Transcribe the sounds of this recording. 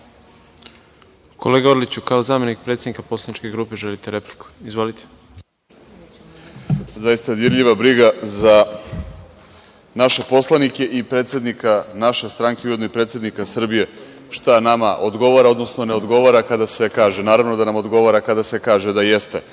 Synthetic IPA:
kʰo̰leɡaoɾlit͡ɕukaozaːme̞nik̚pɾet̪sʲenikapo̞slˠanit͡ʃkeɡɾuːpe̞ʒelit̪eɾepli̥ku̥izvʋolit̪ʰe̥ | zajist̪ad̪iɾʎiʋabɾiɡaza | naʃe̞po̞slˠanike̞ʔipɾet̪sje̞d̪nikanaʃe̞st̪ɾaŋkeuje̞d̪noipɾe̞t̪sje̞d̪nikasr̩bije | ʃt̪anama̰ʔod̪ɡo̞ʋaɾao̞d̪no̞sno̞ne̞o̞d̪ɡo̞ʋaɾakad̪ase̞kaːʒenaːɾaʋno̞d̪anamo̞d̪ɡo̞ʋaɾakad̪ase̞kaːʒe̞d̪ajest̪e̞

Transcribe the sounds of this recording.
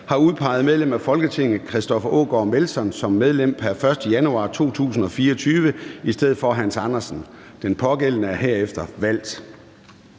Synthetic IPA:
hɑ̈uð̞ˠpʰɑ̈ɪð̞̩ˠmeð̞ˠlem̰æfɒ̽lɡ̥ət͡sʰe̝ŋ̰ð̩ˠkʰʁɛsd̥ɒ̽fɐʔo̰ːɡ̥ɒ̰ːme̝lsɒ̽nsɒ̽mːeðˠlem̰pʰæɐfɶɐsd̥əjænuɑ̰̈t͡sʰo̝̰ːt͡sʰṵːs̬n̩ɒ̽fiːɐɒt͡sʰyːʋəisd̥eð̰̩ˠfɒ̽ɦænsɑ̈nɐsn̩ | d̥enpʰɒ̽ɡ̥elənəæɐɦeɐefd̥ɐʋæl̰d̥

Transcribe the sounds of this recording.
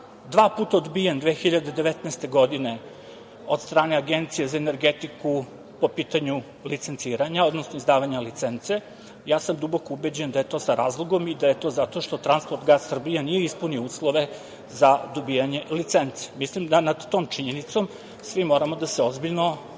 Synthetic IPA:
d̪ʋaːpuːt̪aod̪bijend̪ʋexiʎad̪ed̪e̞ʋet̪nɛst̪e̞ɡo̞d̪ine̞ | ot̪st̪ɾaːne̞aɡent̪sijezaene̞ɾɡet̪iku | po̞piːt̪aɲu | lit̪se̞nt̪siːɾaɲao̞d̪nosnoizd̪aːʋaɲalit̪sent̪se̞ | jaːsamd̪ubokoubed͡ʑend̪ajet̪o̞ːsaɾaːzlˠoɡo̞mid̪aje̞t̪o̞zat̪o̞ʃt̪o̞t̪ɾanspoɾt̪ɡasːr̩bijanije̞ispuniouːslˠoʋe̞ | zad̪obijaɲe̞lit̪sent̪se̥mislimd̪anad̪ːo̞ːmt͡ʃiɲenit̪so̞m | sʋimo̞ːɾamo̞d̪aseozbiʎno

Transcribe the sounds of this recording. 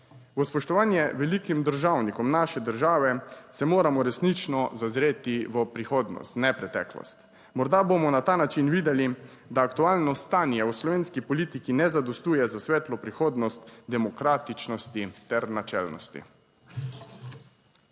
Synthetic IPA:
ʋəspɔʃt̪ɔʋaːnjɛʋɛlikimd̪əɾʒawnikɔmnaʃɛd̪əɾʒaːʋɛsɛmoːɾamɔɾɛsnit͡ʃnɔzazɾeːt̪iʋəpɾixoːd̪nɔ̰st̪nɛpɾɛt̪ɛ̰ːklɔ̰st̪ | mɔɾd̪abomɔnat̪aːnat͡ʃinʋiːd̪ɛli | d̪aːkt̪uaːlnɔst̪aːnjɛwslɔʋeːnskipɔliːt̪ikinɛzad̪ɔst̪uːjɛzasʋɛːt̪lɔpɾixoːd̪nɔst̪d̪ɛmɔkɾaːt̪it͡ʃnɔst̪it̪ɛɾnat͡ʃɛ̰lnɔ̰st̪ḭ

